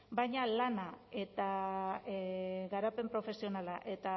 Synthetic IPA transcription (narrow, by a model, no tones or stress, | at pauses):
bajɲalanae̞t̪a | ɣaɾape̞mpɾo̞fe̞sio̞nalaʔe̞t̪a